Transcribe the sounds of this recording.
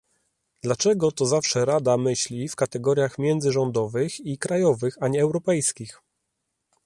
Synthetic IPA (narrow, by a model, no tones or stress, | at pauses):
d̪̥lat͡ʂɛɡɔt̪ɔzafʂɛɾad̪amɘɕlʲifkat̪ɛɡɔɾʲjaxmʲjɛnd̪zɘʐɔnd̪ɔvɘxikɾajɔvɘxaɲɛːwɾɔpɛjskʲix